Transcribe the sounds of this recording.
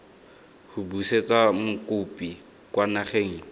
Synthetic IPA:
hʊbuset͡samʊkʊpi | kwanaχeŋ̩

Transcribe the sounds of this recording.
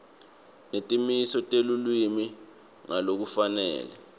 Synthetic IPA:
netʼimisɔtʼelulwimi | ŋalok̬ufanɛ̰ːlɛ

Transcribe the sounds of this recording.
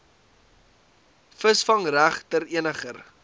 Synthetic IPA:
fəsfɐŋræχtəɾiənəχər

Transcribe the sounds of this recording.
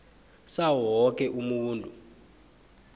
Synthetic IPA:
sawɔk̬ʼɛʔumuwuːndʱu

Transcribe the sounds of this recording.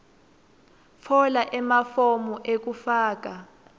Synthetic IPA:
fʰɔlaʔɛmafomuʔek̬ufaːk̬a

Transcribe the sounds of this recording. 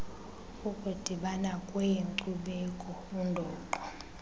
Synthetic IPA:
ukʼud̥ʱiɓanakʼwɛjeŋǀuɓekʼɔundʱɔːǃɔ

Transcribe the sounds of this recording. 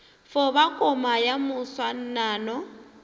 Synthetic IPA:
fɔβakʼɔmajamʊswan̩naːnɔ

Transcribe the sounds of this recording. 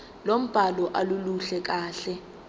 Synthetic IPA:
lom̩b̥ʱalɔʔaluluɬɛk̬ʼaːɬɛ

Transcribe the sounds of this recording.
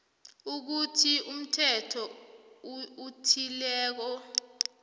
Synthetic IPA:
uk̬utʰium̩tʰɛtʰɔ | utʰilɛːk̬ɔ

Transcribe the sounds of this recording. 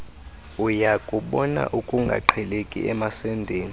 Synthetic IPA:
ujakʼuɓɔna̰ʔukʼuŋɡʱa̰ǃʰɛlekʼḭʔɛmasɛndʱeːni

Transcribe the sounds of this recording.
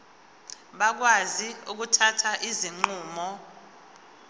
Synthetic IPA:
ɓak̬waziuk̬utʰatʰaʔiziŋ͡ǃuːmɔ

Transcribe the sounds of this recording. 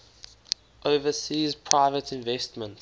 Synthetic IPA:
ʔoʊvəsiːzpʰɹ̥aɪvətʰɪ̃nvɛstmə̃nt

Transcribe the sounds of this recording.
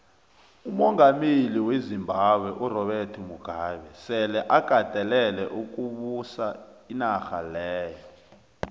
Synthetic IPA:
umɔŋameliwezimbʱaɓwɛʔurɔɓɛrtʰumuɡ̥ʱaːɓɛsɛlɛʔaɡ̥ʱad̥ʱɛlɛlɛʔuk̬ʼuɓusainaxalɛːjɔ

